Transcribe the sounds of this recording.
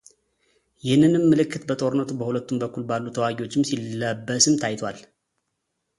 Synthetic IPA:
jɪhnːɨnɨmːɨlɨkːɨt̪bət̪ʼo̞ɾɨnːət̪ubəhulət̪ːumbəkʰːulbalːut̪ʰəwaɡiwo̞t͡ʃːɪmsilːəbːəsɨmt̪ʰajt̪ʰwal

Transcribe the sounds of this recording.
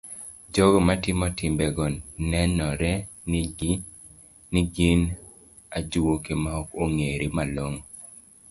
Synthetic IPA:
d͡ʒɔɡɔmatɪmɔtɪmbɛɡɔnnɛnɔɾɛ | nɪɡin | ad͡ʒuwokemaɔkoŋeɾimaloŋ

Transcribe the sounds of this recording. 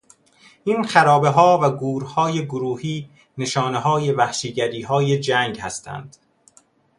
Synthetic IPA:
ʔiːnxæɾɒːbe̞ɦɒːvæɡuːɾhɒːjeɡoɾuːhiː | ne̞ʃɒːne̞ɦɒːje̞væhʃiɟæɾiːɦɒːjed͡ʒæːŋɡhæst̪ʰæ̰nd̪̥

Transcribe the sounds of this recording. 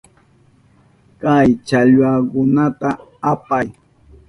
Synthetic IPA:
kajt͡ʃaʎwakʊnat̪aapaj

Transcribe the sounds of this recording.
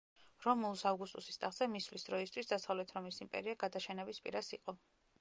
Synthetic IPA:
ɾɔmulˠsavɡust̪ʼusi̥st̪ʼaʁzɛmisvlisd̪ɾɔist̪ʰwisd̪asavlɛt̪ʰɾɔmisimpʼɛ̰ɾiaɡad̪aʃɛnɛbispʼḭɾasiqʼɔ

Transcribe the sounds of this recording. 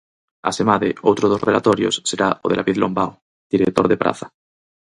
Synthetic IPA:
a̰semaðeowt̪ɾoð̞osrela̰t̪oɾjo̰sːeɾaoðe̞lʔaβiðlombaw | d̪̥iɾek̚t̪oɾðepɾʔa̰θḁ

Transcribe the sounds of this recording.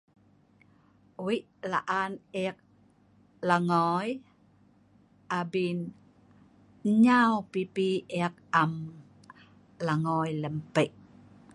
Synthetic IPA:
wiʔlaʔaneak̚ | laŋɔj | ʔabin | ɲawpipieak̚am | laŋɔjləmpəʔ

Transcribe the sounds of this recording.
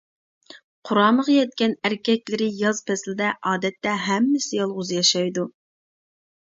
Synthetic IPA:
qʰʊɾɑːməʁɑjɛt̪kʲɛnæɾkʲɛkʲlɪɾɪjɑzpʰɛslɪd̪ɛʔɑːd̪ɛt̪ːɛɦɛmːɪsɪjɑlˠʁʊzjɑʃɑjd̪u

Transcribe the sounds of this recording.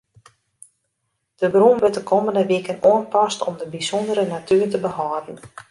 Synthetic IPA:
d̥əbrunʋɪtdəkʰoːməndəʋikənoənpɑstɔ̰mdəbisɔndəɾənatyːrtəbəhɔːdn̩

